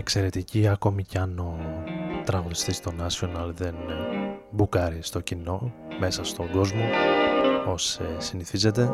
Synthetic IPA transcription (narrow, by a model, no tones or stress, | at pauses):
e̞kse̞ɾe̞t̪iciɐko̞miceɐnot̪ɾɐɣuðist̪ist̪o̞nɐsio̞nɐlðe̞n | bukɐɾist̪o̞cino̞me̞sɐst̪o̞ŋɡo̞zmo̞ | o̞sesiniθize̞t̪e̞